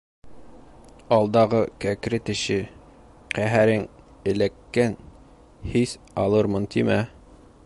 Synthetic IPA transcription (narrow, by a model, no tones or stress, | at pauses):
ɑlˠd̪ɑʁɤkækɾɘt̪ɘ̆ʃɘ | qæɦæɾɘŋ | ɘ̆lækːæn | his | ɑlˠɤɾmɤnt̪ʰimæ